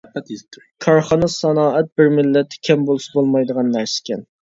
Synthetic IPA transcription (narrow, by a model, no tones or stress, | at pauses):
kʰɑɾχɑnɨsɑnɑːʔɛt̪̚bɪɾmɪlːɛt̪ʰːkʲʰɛmbolˠusɑbolˠmɑjd̪əʁɑnːæɾsɪ̥kʲɛn